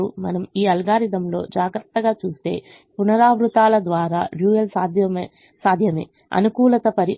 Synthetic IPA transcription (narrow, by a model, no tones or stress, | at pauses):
umɐnɐmiːɐlɡaːɾid̪ɐmlo̞ːd͡ʒaːɡɾɐt̪ːɐɡaːt͡ʃuːst̪e̞̰ː | punɐɾaːʋɾut̪aːlɐd̪ʋaːɾaːɾjuːjɐlsaːd̪ʱjɐm | saːd̪ʱjɐmḛː | ɐ̰nukuːlɐt̪ɐpɐɾi